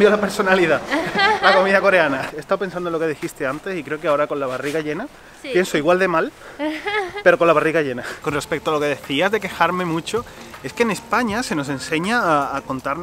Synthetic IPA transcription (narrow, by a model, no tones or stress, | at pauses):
bjolape̞ɾso̞naliðalako̞mĩðako̞ɾeanaest̪awpe̞nsand̪onlo̞ke̞ðixist̪e̞ant̪e̞sikɾe̞okeao̞ɾako̞nlaβariɣaʝe̞na | pje̞nsoiɣwald̪e̞mal | pe̞ɾo̞ko̞nlaβ̞ariɣaʝe̞nako̞nrespe̞k̚t̪oalo̞ke̞ðe̞θiazðe̞ke̞xaɾmẽ̞mũt͡ʃo̞e̞ske̞ne̞spaɲase̞no̞s̬e̞nse̞ɲaːko̞nt̪aɾn